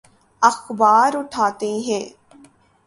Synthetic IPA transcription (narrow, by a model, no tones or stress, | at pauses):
ɐxbaːɾʊʈʰaːt̪eɦɛ̃ː